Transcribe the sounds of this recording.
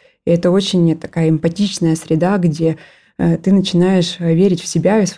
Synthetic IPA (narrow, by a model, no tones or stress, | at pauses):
ɪɛt̪əo̞t͡ɕɪnʲt̪ɐ̥kajəɪmpɐtʲit͡ɕnəjəsɾʲɪd̪aɡdʲe̞ | t̪ɨnət͡ɕɪn̪ajɪʂvʲeɾʲɪtʲfsʲɪbʲais